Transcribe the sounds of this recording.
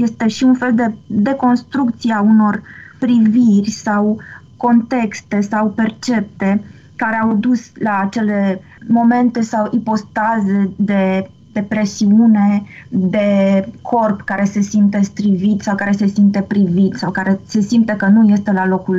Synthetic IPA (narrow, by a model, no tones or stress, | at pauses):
je̞st̪e̞ʃiunfe̞ld̪e̞d̪e̞ko̞nst̪ɾuk̚t̪sieauno̞rpɾivirʲsaw | ko̞nt̪e̞kst̪e̞sawpe̞rt͡ʃe̞p̚t̪e̞ | kaɾe̞awd̪uslaːt͡ʃe̞le̞ | mo̞me̞nt̪e̞sawʔipo̞st̪azed̪e̞ | d̪e̞pɾe̞siune̞d̪e̞kʰo̞rpkaɾe̞se̞simt̪e̞st̪ɾivit̪sawkaɾe̞se̞simt̪e̞pɾivit̪sawkaɾe̞se̞simt̪əkənuje̞st̪e̞lalo̞kul